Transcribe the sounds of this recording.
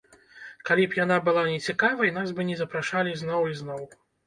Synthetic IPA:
kalʲipjanabɨlˠanʲɛt͡sʲikavɐjnazbɨnʲɛzɐpɾaʂalʲizn̪ɔwiznɔw

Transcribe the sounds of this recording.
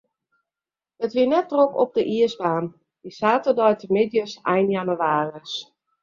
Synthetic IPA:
dətʋiənɛtːrokɔ̰p̚dəʔiəsbaːn | disaːtərdɔjtʰəmɪdjəsɛjnjanəʋaːrəs

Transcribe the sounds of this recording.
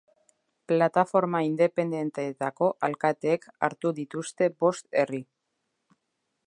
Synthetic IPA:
plat̪afo̞ɾmaind̪e̞pe̞nd̪e̞nt̪eːt̪ako̞ʔalkat̪eːka̰ɾt̪uðit̪ust̪e̞bo̞st̪e̞ri

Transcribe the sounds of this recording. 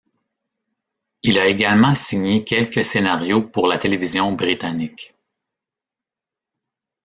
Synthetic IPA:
ilaeɡalmɑ̃siɲekʲɛlkʲəsenaʁjopuʁlat̪elevizjɔ̃bʁit̪anɪk

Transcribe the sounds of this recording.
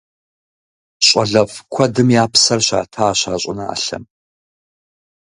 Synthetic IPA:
ɕʼɐɮɐfkʷʰɔdɨmjaːpʰsɐrɕa̰ːtʰaːɕaːɕʼʊnɐa̰ːɬɐ̰m

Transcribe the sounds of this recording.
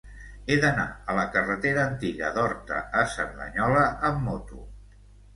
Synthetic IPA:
eðəna̰ələkərət̪eɾəːnt̪iɣə̰d̪ɔɾt̪ə̰əsəɾðə̰ɲɔləʔəmːot̪u

